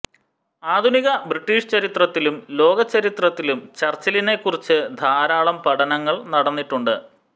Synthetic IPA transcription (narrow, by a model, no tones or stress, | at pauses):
aːd̪ʱuniɣɐbriʈːiːʂɨ̥t͡ɕɐɾit̪rɐt̪ːilumlo̞ːɡɐt͡ɕːɐɾit̪rɐt̪ːilumt͡ɕɐrt͡ɕːɐline̞kːurit͡ɕːɨd̪ʱaːɾaːɭɐmpɐɽɐnɐŋːɐɭnɐɽɐnːiʈːuɳɖɨ